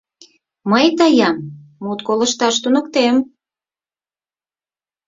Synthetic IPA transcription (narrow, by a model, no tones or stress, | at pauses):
məjt̪ɑjɑmːut̪koləʃt̪ɑʃt̪unə̆kt̪em